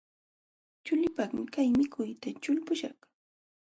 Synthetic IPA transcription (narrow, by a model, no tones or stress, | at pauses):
t͡ʃʊʎɪpaχmɪkajmɪkʰʊjt̪at͡ʃʊlpʊʃɑ̰χ